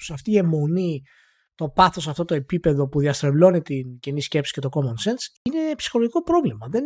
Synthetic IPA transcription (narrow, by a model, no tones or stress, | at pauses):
sɐft̪iemo̞ni | t̪o̞pɐθo̞sɐft̪o̞t̪o̞e̞pipe̞ðo̞puðiɐst̪ɾevlo̞nit̪incenisce̞psi̥ce̞t̪o̞ko̞monsensine̞psi̥xo̞loʝiko̞pɾo̞vlimɐðe̞n